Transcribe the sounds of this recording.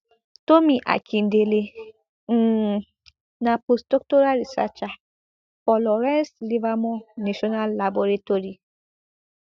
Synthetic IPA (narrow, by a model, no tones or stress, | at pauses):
tomiʔa̰kʰin̩dele | n̩ | napostok̚toɾaɾisa̰t͡ʃa | fɔlɔɾɛ̃nslivamɔnneʃɔnalːaboɾetoɾi